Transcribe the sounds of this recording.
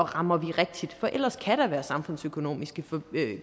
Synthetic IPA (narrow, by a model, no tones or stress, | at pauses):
ɒʁɑ̈mɐʋiʁɛɡ̥̚d̥id̥fɒ̽ʔel̰ɐskʰæɾ̥ɑʋæːɐsɑ̈mfɔ̽n̰̩søkʰo̝no̝̰ːmisɡ̥əfɒ